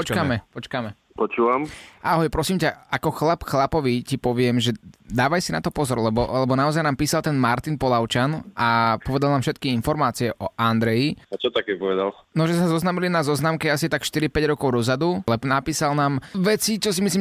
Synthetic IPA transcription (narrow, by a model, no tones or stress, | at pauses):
pɔt͡ʃkamɛpɔt͡ʃkamɛ | pɔt͡ʃuːʋamʔaːɦɔjpɾɔsiːmcaakɔxlapxlapɔʋicipɔʋɪɛmʒɛd̪aːʋajsina̰t̪ɔpɔzɔɾlɛbɔlɛbɔnaɔzajnaːmpiːsalˠt̪ɛnmaɾt̪inpɔlaʊt͡ʃanapɔʋɛd̪alnaːmfʃɛt̪kiinfɔɾmaːt͡siɪɛʔɔʔand̪ɾɛjiat͡ʃɔt̪akɛpɔʋɛd̪al | nɔʒɛsazɔznamilinazɔznaːmkɛasit̪akʃt̪iɾipɛɟɾɔkɔʊɾɔzad̪ulɛnapiːsalnaːmʋɛt͡sit͡ʃɔsimisliːm